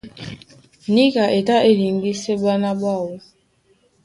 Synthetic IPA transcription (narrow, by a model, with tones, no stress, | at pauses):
ni˦ka˨ʔe˨ta˦ʔe˦li˨ŋ˦ɡi˦se˦ba˦na˦bwa˦˨wɔ˦